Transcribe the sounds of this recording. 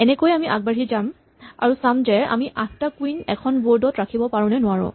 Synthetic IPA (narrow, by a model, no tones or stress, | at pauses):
ɛnɛkojamiʔaɡ̚baɹizam | a̰ɹusamzɛa̰miʔat̚ʰtakwinɛ̰kʰɔnboɹdɔtɹakʰibɔpaɹʊ̃nɛnʊaɹʊ̰̃